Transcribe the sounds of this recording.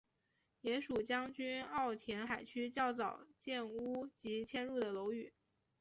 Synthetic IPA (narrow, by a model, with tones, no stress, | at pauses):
jɛ˧˥ʂu˨˩t͡ɕjɑ˥ŋt͡ɕy˥nɑ˥˩ʊt̪ʰjɛ˧˥nxa˨˩ɪt͡ɕʰy˥t͡ɕjɑ˥˩ʊt͡sɑ˨˩ʊt͡ɕjɛ˥˩nu˥t͡ɕi˧˥t͡ɕʰjɛ˥nɻu˥˩d̪ə˩lo˧˥ʊy˨˩˦